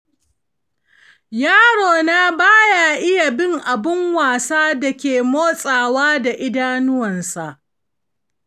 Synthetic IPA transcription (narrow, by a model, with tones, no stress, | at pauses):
jaː˦ɽoː˨na˦baː˦ja˨ʔɪ˦ja˨bɪ˦ŋʔa˨bɪ˦ŋwaː˨saː˦da˨kʲeː˨moː˦sʼaː˨waː˦da˨ʔɪ˦daː˦nʊ˦wɐ˨nsa˨ʔ